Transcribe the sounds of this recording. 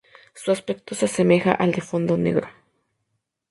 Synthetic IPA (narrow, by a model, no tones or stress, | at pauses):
suaspek̚t̪osesemexa̰ʔald̪efond̪onḛɣɾo